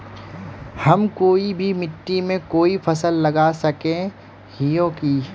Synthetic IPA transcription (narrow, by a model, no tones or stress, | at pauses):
hɐmkoːibʱimɪʈːimẽkoːipʰɐsəlːɐɡasɐkẽ | hijõːki